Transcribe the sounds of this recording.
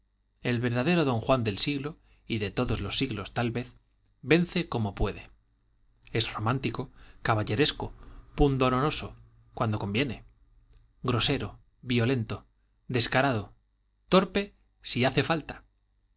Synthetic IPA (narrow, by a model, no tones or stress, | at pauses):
e̞lβe̞ɾðaðe̞ɾoðo̞ŋxwand̪e̞lsiɣlo̞ | iðe̞t̪o̞ðo̞zlo̞sːiɣlo̞st̪alβe̞θ | be̞nθe̞ko̞mo̞pwe̞ðe̞ | e̞sro̞mãnt̪iko̞kaβaʎe̞ɾe̞skopund̪o̞ɾono̞so̞ | kwand̪o̞ko̞mbje̞ne̞ | ɡɾo̞se̞ɾo | βjio̞le̞nt̪o̞ | d̪e̞skaɾaðo̞ | t̪o̞ɾpe̞ | siaθe̞falt̪ḁ